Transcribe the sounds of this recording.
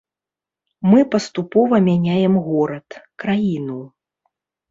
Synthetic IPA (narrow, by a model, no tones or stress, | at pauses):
mɨpɐst̪upɔvɐmʲanʲajɛmɣɔɾɐt̪kɾajinu